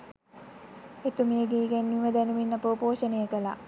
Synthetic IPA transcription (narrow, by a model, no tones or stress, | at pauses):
et̪umiəɡeːɡɛnːiʋəd̪ɛnuminːɐpəpoːʃənejəkəla̰